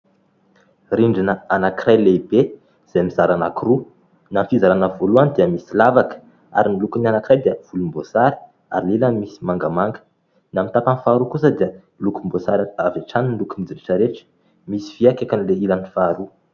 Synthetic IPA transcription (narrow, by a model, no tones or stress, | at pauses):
riɳɖ͡ʐinəanakirajlebe | z̥amizaɾanakiru | nanfizaɾanəvoluanid̪iəmisilavakə̥ | a̰ɾinilukunanakiɾajd̪iəv̥ulumbosaɾi̥ | a̰ɾililəmisi̥maŋɡamaŋɡə̥ | namit̪apanfaːɾukus̬əd̪iə | lukumbosaɾaavaʈ͡ʂaninlukumid͡ziɾiʈ͡ʂəɾeʈ͡ʂə̥ | misi̥v̥iakakanileilənifaːɾu